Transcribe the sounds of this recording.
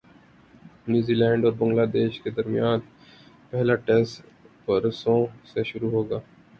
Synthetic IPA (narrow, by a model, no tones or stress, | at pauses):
njuːziːlɛ̃ːɳɖɔːɾbɐ̃ŋɡlaːd̪eːʃked̪ɐɾmijaːn | pɛɦlaʈɛːsʈ | pɐɾsõseʃʊɾuɦoːɡaː